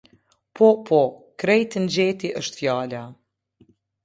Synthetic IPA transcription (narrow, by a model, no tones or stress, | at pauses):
pɔpʰɔkɾɛjt̪ənd͡ʑɛt̪iʔəʃt̪fjaːla